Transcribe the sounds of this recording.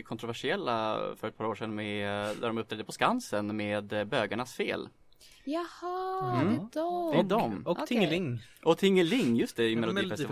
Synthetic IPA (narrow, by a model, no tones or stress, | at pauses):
kʰɔnt̪ɾʊvæʂɪɛlːa̰fœɾɛt̪̚pʰɑːɾoːʂɛnmɛd̪æɖɔmɵp̚t̪ɾɛd̪əpʰɔskansənmeːd̪bøːɡaɳasfḛːl | jɑhɑ | d̪ɛd̪ɔmɔtʰŋɪŋʔɔt̪ʰɪŋːəlɪŋːjɵst̪ɛɪmɛlʊdifɛst̪ɪ